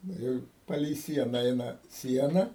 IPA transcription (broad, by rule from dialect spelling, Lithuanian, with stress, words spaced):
nʊ ˈjɛʊ ˈpɑːlʲɛɪ ˈsʲiɛnɐ ˈɛɪnɐ ˈsʲiɛnɐ